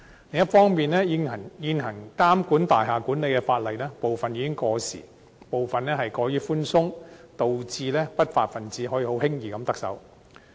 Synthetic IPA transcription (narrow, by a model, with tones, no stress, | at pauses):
lɪ˨ŋjɐ˥t̚fɔː˥ŋmiː˨nɛː˥ji˧ɐ˨˩ŋjiː˧nɦɐ˨˩ŋkaː˥mkuː˨˥nt̪aː˨jɦaː˨˩kuː˨˥nle˨˧jkɛː˧faː˧t̚lɐ˨jlɛː˥po˨wfɐ˨njiː˧kɪ˥ŋkɔː˧sḭː˨˩ | po˨wfɐ˨nlɛː˥ɦɐ˨jkɔː˨˧˥jyː˨˥fuː˥nsʊ˥ŋt̪o˨wt͡siː˧lɛː˥pɐ˥t̚faː˧t̚fɐ˨nt͡siː˨˥ɦɔː˨˥jiː˧ho˨˥whɪ˥ŋjiː˨kɐ˨˧mt̪ɐ˥k̚sɐ̰˨˥w